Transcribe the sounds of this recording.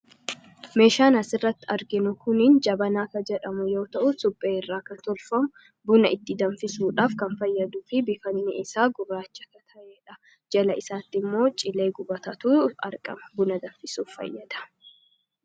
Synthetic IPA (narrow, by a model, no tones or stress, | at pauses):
me̞ːʃaːnɐsɪrːɐt̪ːɪɐɾɡɪnʊkʊnɪnd͡ʒɐbɐnaːkɐd͡ʒɛᶑɐmʊjo̞ːt̪ɐʔʊsʊbʼeːɪrːaːkɐnt̪ɔlfɐmʊ | bʊnɐʔɪt̪ːɪd̪ɐnfɪsuːᶑaːfkɐnfɐjːɐd̪ʊfɪbɪfɐnːɪɪsaːɡʊrːaːt͡ʃːɐ̥kɐt̪ʰɐʔeːᶑɐ | d͡ʒɛlɐɪsaːt̪ːɪmːo̞ːt͡ʃʼɪle̞ːɡʊbɐt̪ɐt̪uːɐ̰ɾkʼɐ̰mɐ̥bʊnɐd̪ɐɱfɪsuːfɐ̰jːɐd̪̥ɐ̥